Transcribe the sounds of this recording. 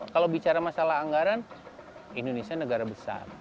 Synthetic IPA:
kalawbit͡ʃaɾamasalahɦaŋɡaɾan | indonesianəɡaɾabəsa̰r

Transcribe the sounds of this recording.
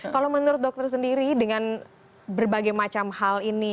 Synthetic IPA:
kalomənuɾʊt̪̚dɔk̚t̪ərs̬əndiɾidəŋan | bərbaɡajmat͡ʃamhalini

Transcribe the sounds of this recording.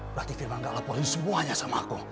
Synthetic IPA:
bɾat̪ifirmaŋɡaʔlapɔlisəmuaɲasamaku

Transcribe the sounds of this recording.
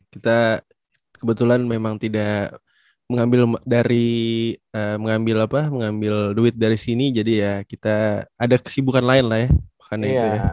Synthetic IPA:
kit̪a | kəbət̪ulanmemaŋt̪idaʔ | məŋambɪldaɾi | əməŋambɪlapaməŋambɪlduɪt̪̚daɾisinid͡ʒadijakit̪aːdakə̥sibukanlaɪnlahjamakanɲait̪uja

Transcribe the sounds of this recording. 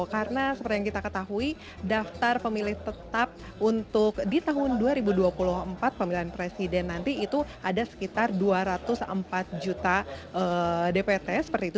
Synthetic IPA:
kaɾənasəpərt̪ijaŋkit̪akət̪aɦui | daft̪arpəmilɪht̪ət̪ap̚ | unt̪ʊk̚dit̪aɦʊnduaɾibuduapulʊɦəmpat̪̚pəmilianpɾesidɛnːant̪iːt̪uadasə̥kit̪arduaɾat̪ʊsə̰mpat̪̚d͡ʒut̪aʔədepet̪ɛsə̥pərt̪iːt̪u

